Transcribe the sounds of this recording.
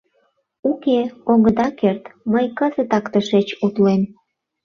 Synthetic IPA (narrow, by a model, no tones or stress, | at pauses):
ukeoɣəd̪ɑkert̪məjkəzət̪ɑkt̪əʃet͡ɕut̪lem